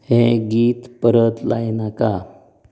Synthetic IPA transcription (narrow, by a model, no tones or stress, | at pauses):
heɡiːt̪pəɾət̪lajnaka